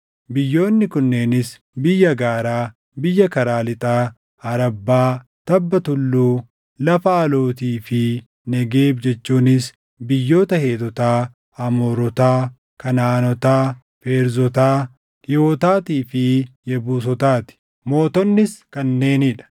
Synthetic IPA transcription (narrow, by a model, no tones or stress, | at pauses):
bɪjːo̞ːnːɪkʊnːe̞ːnɪs | bɪjːɐɡaːɾaː | bɪjːɐkɐɾaːlɪt̪ʼaː | ɐɾɐbːaː | t̪ɐbːɐt̪ʊlːuː | lɐfɐːlo̞ːt̪iːfɪ | nɛɡe̞ːbd͡ʒɛt͡ʃːuːnɪs | bɪjːo̞ːt̪ɐheːt̪ɔt̪aː | ɐmoːɾɔt̪aː | kɐnaːnɔt̪aː | feːɾzɔt̪aː | joːt̪aːt̪iːfɪjɛbuːs̬ɔt̪aːt̪ɪ̥ | mo̞ːt̪ɔnːɪskɐnːe̞ːnɪᶑɐ̥